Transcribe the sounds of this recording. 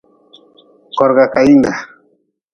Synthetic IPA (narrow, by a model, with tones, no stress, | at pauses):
kɔ˨ɾɡa˨ka˨i˦nda˨